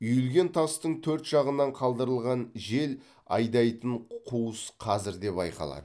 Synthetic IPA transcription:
ʏjʏlɡʲe̞nt̪ʰɑst̪əɴt̪ʰɵɾt̪ʒ̥ɑʁənːɑɴqʰɑlˠd̪əɾəlˠʁɑnʒe̞l | ɑ̰jd̪ɑjt̪əɴqʰuwəsqʰɑzɪɾd̪e̞pɑ̰jqɑ̰lˠɑ̰d̪ə

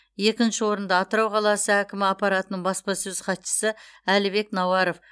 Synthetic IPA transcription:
je̞kʲɪnʃɪwo̞ɾənd̪ɑːt̪əɾɑwqʰɑlˠɑsəækʲɪmɪɑpɑɾɑt̪ənəɴbɑspɑsɵzqʰɑt̪ʃə̥səælɪbe̞knɑwɑɾo̞f

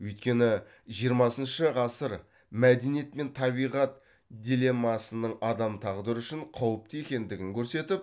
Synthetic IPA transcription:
wɵjt̪̚kʲe̞nɪ | ʒijəɾmɑsənʃəʁɑsəɾ | mæd̪e̞nije̞t̪me̞nt̪ʰɑbijʁɑt̪ | d̪ʲile̞mːɑsənəɴɑd̪ɑmt̪ʰɑʁd̪əɾəʏʃɪɴqʰɑwəp̚t̪jekʲe̞nd̪ɪɡʲɪŋkʲʰɵɾse̞t̪ɪp̚

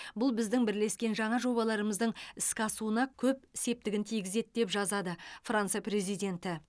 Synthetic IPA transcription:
bʊlˠbɪzd̪ɪŋbɪɾle̞skʲe̞nʒɑɴɑʒo̞βɑlˠɑɾəməzd̪əɴɪskʲɑsuənɑkʲʰɵp̚ɪse̞p̚t̪ɪɡʲɪnt̪ʰijɡʲɪze̞t̪̚d̪e̞pʒɑzɑd̪əfransɨjapɾe̞zijd̪ʲe̞nt̪ɪ

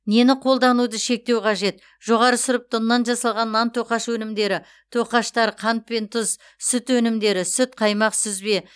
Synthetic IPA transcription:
ne̞nɪqʰo̞lˠd̪ɑnud̪əʃe̞k̚t̪e̞wqʰɑʒe̞t̪ | ʒ̥o̞ʁɑɾəsʊɾəp̚t̪ʰʊnːɑnʒɑsɑlˠʁɑnːɑnt̪ʰoqɑʃwɵnɪmd̪e̞ɾɪ | t̪ʰoqɑʃt̪ɑɾqʰɑnt̪̚pent̪ʰʊz | sʏt̪wɵnɪmd̪e̞ɾɪsʏt̪qʰɑjmɑqsʏzbe̞

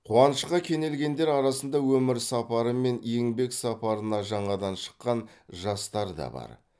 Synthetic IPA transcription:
qʰuɑnəʃqɑkʲʰe̞ne̞lɡʲe̞nd̪e̞ɾɑɾɑsənd̪ɑwɵmɪɾsɑpɑɾəme̞nje̞ŋbe̞ksɑpɑɾənɑʒɑɴɑd̪ɑnʃə̥qːɑnʒɑst̪ɑɾd̪ɑ̰bɑ̰ɾ

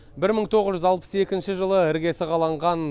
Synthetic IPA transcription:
bɪɾməɴt̪ʰo̞ʁəzʒʏzɑlˠpə̥se̞kʲɪnʃɪʒəlˠəɪɾɡʲe̞sɪqʰɑlˠɑɴʁɑn

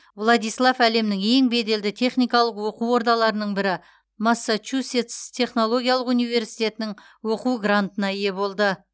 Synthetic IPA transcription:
vlˠɑd̪ijslˠafæle̞mnɪŋe̞ŋbe̞d̪e̞ld̪ɪt̪ʰe̞χnijkɑlˠəqwo̞quwwo̞ɾd̪ɑlˠɑɾənəɴbɪɾɪ | masːat͡ʃuset̪st̪ʰe̞χno̞lˠo̞ɡʲijaɑlˠəqunijve̞ɾsijt̪e̞t̪ɪnɪŋ | wo̞quwɡɾant̪ənɑɪje̞bo̞lˠd̪ə

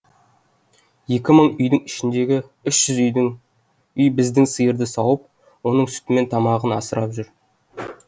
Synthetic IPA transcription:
je̞kʲɪməɴʏjd̪ɪŋɪʃɪnd̪e̞ɡʲɪʏʃʒ̥ʏzʏjd̪ɪŋ | ʏjbɪzd̪ɪŋsəjəɾd̪əsɑwəp̚ | wo̞nəɴsʏ̥t̪ɪme̞nt̪ʰɑmɑʁənɑsəɾɑpʒʏɾ

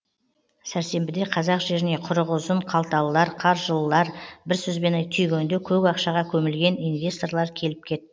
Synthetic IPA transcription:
sæɾse̞mbɪd̪e̞qʰɑzɑqʒe̞ɾɪne̞qʰʊɾəʁʊzəɴqʰɑlˠt̪ɑlˠəlˠɑɾqʰɑɾʒəlˠːɑɾbɪɾsɵzbe̞nɑjt̪ʰʏjɡʲend̪ekʲʰɵkɑqʃɑʁɑkʲʰɵmɪlɡʲe̞nijnvʲe̞st̪o̞rɾlˠɑɾkʲʰe̞lɪp̚kʲʰe̞t̪ːɪ

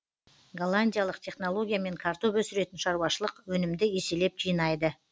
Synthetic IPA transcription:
ɡolˠːanʲdʲijalˠəqt̪ʲʰe̞χno̞lˠo̞ɡʲijame̞ŋkʰaɾt̪opɵsɪɾe̞t̪ɪnʃɑɾuwɑʃəlˠəqwɵnɪmd̪ɪese̞le̞p̚ʒijnɑjd̪ə

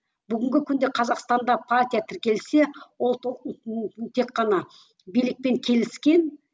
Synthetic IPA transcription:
b̥ʏɡʲɪŋɡʲɪkʲʰʏnd̪e̞qʰɑzɑqst̪ɑnd̪ɑpʰart̪ʲijat̪ʰɪɾkʲe̞lse̞wo̞lˠ | t̪ʰe̞kqːɑnɑ | bijlɪk̚pe̞ŋkʲʰe̞lɪskʲe̞n

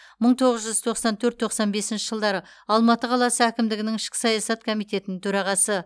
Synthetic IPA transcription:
məɴt̪ʰo̞ʁəzʒʏzt̪ʰo̞qsɑnt̪ʰɵɾt̪ʰo̞qsɑnbe̞sɪnʃɪʒəlˠd̪ɑɾə | ɑlˠmɑt̪əqʰɑlˠɑsəækʲɪmd̪ɪɡʲɪnɪŋɪʃkʲɪ̥sɑjɑsɑt̪kʰo̞mijt̪e̞t̪ɪnɪŋt̪ʰɵɾɑʁɑsə

